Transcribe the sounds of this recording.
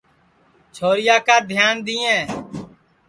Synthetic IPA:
t͡ʃʰoːɾɪjaːkaːd̪ʱjaːnd̪ɪːẽː

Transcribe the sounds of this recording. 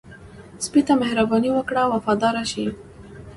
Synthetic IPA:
spit̪amɪhɾabɑniwəkɽawafɑd̪ɑɾaʃi

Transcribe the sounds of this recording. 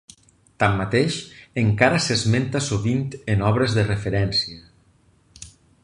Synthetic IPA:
t̪amːat̪eʃeŋkaɾasezment̪asoβint̪enɔβɾezðerefeɾɛnsiə

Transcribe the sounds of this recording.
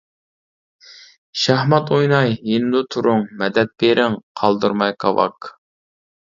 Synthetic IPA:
ʃæhmɑt̪ujnɑjɦend̪ut̪ʰuɾʊŋmɛd̪ɛt̪̚peɾʔɪŋqʰɑlˠd̪uɾmɑjqʰɑvɑ̰k

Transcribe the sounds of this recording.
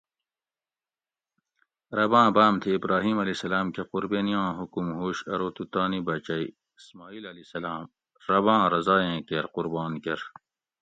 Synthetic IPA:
ɾɐbãːbaːmt̪ʰiːbɾaːɦiːmɐlisɐlaːmkequɾbeːnijãːɦukumɦoːɕɐɾoːt̪ut̪aːnibɐt͡ɕɐi | ismaːiːlɐlisɐlaːm | ɾɐbãːɾɐzaːẽːkeɾqʊɾbaːnkɐɾ

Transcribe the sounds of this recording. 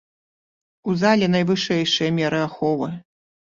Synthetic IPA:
uzalʲɛn̪ɐjvɨʂɛjʂɨjɐmʲɛɾɨaxɔvɨ

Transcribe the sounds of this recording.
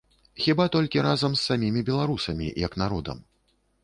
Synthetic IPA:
xʲibat̪ɔlʲkʲiɾazɐmsːamʲimʲibʲɛlˠaɾusɐmʲḭjɐknaɾɔd̪ɐ̰m

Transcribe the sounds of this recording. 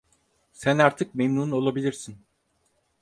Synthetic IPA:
sænaɾt̪ʰɯk̚memnuːno̞lˠabilʲiɾsin

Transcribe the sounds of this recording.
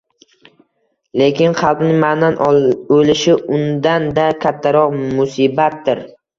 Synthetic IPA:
le̞kʲɪnχɑlˠpnɪŋmananolɪʃɪʊnd̪and̪akʲʰat̪ʰːaɾɒqmʊsibat̪̚d̪ɪɾ

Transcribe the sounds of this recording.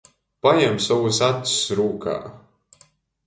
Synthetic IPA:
pajɛmsavusat̪ʲːi̥sɾuːka̰ː

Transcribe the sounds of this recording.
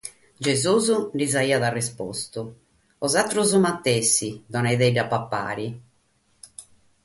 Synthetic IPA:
d͡ʒɛzuːzuɖizaiːaðarɛspɔst̪u | ɔzat̪ːɾuzumat̪ːɛsːiðɔnɛjðɛɖapːapːa̰ːɾi

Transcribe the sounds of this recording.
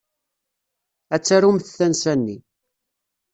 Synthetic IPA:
æt͡sːæɾumθθænsænːi

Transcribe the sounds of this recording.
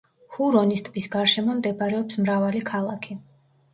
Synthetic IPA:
huɾɔnist̪ʼbisɡaɾʃɛmɔmd̪ɛbaɾɛɔpsmɾavalikʰalˠakʰi

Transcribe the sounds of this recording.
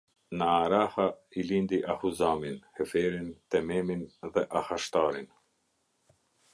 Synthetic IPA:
naːɾahailind̪iʔahuzaminhɛfɛɾint̪ɛmɛminðɛʔahaʃt̪aɾin

